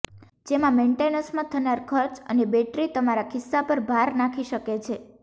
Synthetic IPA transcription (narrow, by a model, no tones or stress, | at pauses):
d͡ʒemãmẽɳʈenəɾsmãt̪ʰənaɾkʰəɾt͡ʃə̰nebɛʈɾit̪əmaɾakʰɪsːapəɾbʱaɾnakʰiʃəket͡ʃʰe